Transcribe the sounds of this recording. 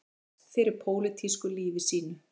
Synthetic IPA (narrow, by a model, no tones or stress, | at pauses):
fɪɾɪɾ̥pʰoːwlɪt̪ʰiskʏliːvɪsiːnʏ